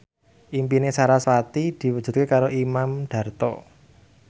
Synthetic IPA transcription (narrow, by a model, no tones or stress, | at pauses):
ʔimpinesaɾaswat̪id̪̥i̤wu̥ʒ̥ṳt̪̚kekaɾoʔimamɖ̥a̤rt̪ɔ̰